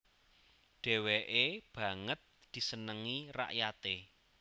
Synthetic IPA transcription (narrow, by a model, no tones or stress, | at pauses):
ɖ̥ɛ̤weʔeb̥ä̤ŋət̪̚ | d̪̥i̤sənəŋira̰ʔjat̪e